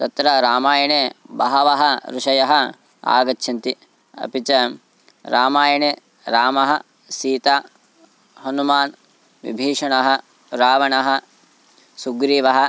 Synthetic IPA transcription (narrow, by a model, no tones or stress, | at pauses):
t̪ɐt̪ɾɐɾaːmaːjɐɳeːbɐɦɐʋɐɦɐɾuʂɐjɐɦɐ̆ | a̰ːɡɐtːʃʰɐnt̪i | ɐ̰pit͡ʃɐ | ɾaːmaːjɐɳeː | ɾaːmɐɦɐ | siːt̪aː | hɐnumaːn | ʋḭbʱiːʂɐɳɐɦɐ̆ | ɾaːʋɐɳɐɦɐ̆ | suɡɾiːʋɐɦɐ